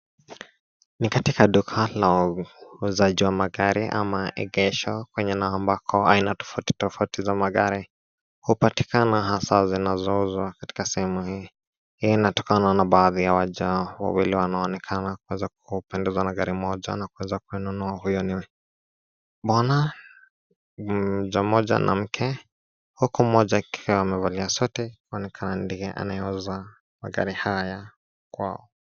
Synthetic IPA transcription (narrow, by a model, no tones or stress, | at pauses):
nikatikaɗukʰalauuzaʄiwamaɠaɾiʔa̰maʔɛ̰ɡɛʃɔkwɛɲɛnaɔːmbakʰɔainatɔ̥fauti̥tɔfautizamaɠaɾi | hupati̥kanaɦasazinazɔuzwakati̥kasɛhɛmuhiː | hijɔinatɔkananaɓaːðijawaʄawa̰wiliwanaɔːnɛkʰanakuwɛzak̚upɛndɛzwanaɡaɾimɔʄa̰nakuwɛzakujɛnunuahujɔniwɛ | ɓana | ʄam̩ɔʄa̰nʔa̰m̩kʰɛ | hukum̩mɔʄakiaamɛvaliasɔtɛkuɔnɛkʰanandijɛʔa̰najɛuza | ma̰ɡa̰ɾihajaja | kwa̰ɔ